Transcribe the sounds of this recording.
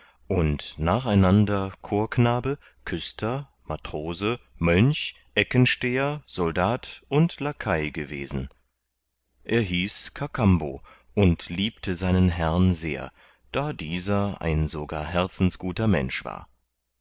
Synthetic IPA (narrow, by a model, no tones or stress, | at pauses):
ʔʊntnaːχaɪnandɐkʰoːɐknaːbə | kʰʏstʰɐ | matʁ̥oːzəmœnç | ʔɛkənʃteːɐz̥ɔldaːtʔʊntlakʰaɪɡəvḛːzn̩ | ʔeːɐɦiːskʰakʰambo̰ː | ʔʊntliːp̚tʰəzaɪnənɦɛʁnzḛːɐ | d̥aːdiːzɐʔa̰ɪnzoɡa̰ːɐɦɛɐt͡sn̩sɡ̥uːtɐmɛ̰nʃv̥a̰ːɐ